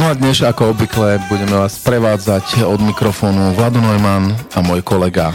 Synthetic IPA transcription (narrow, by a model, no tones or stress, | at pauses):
nɔad̪ɲɛʃakɔɔbʋiklɛbuɟɛmɛʋaːsspɾɛʋaːd͡zacɔd̪mikɾɔfɔːnuʋlad̪unɔjmanamʊɔjkɔlɛɡa